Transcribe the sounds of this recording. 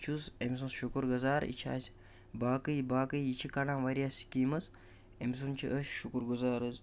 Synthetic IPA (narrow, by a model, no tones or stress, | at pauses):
t͡ʃʰusems̬ũsʃukuɾɡɐzaːɾḭt͡ʃʰa̰ːsʲ | baːkɨjbaːkɨjit͡ʃʰikanãːʋɐɾijaːsʲkiːmɐs | ems̬unt͡ʃʰiʔəsʲʃukuɾɡuzaːɾɨz